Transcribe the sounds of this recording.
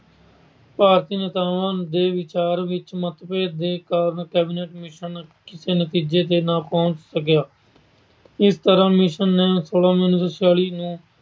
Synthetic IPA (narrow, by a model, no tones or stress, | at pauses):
paːɾt̪iːnət̪aːʋãːd̪eːʋɪt͡ʃaːɾʋɪt͡ʃmət̪peːd̪eːkaːɾnkɛːbɪneːʈmɪʃənkɪseːnət̪iːd͡ʒeːt̪eːnãːpɔ̃ːnt͡ʃsəkjaː | ɪst̪əɾãːmɪʃənːẽːsoːlãːmɪnɪsəsaːliːnũː